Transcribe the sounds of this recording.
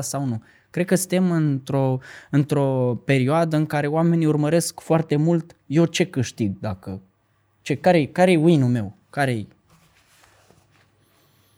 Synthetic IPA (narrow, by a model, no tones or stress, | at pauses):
sawnu | kɾed̪̚kəsɨt̪e̞mɨnt̪ɾo̞ɨnt̪ɾo̞pe̞ɾioad̪əɨŋkaɾe̞oame̞niurməɾe̞skfoart̪e̞mult̪je̞wt͡ʃe̞kɨʃt̪iɡ̚d̪akə | t͡ʃekaɾeekaɾejeuinume̞w | kaɾeḛj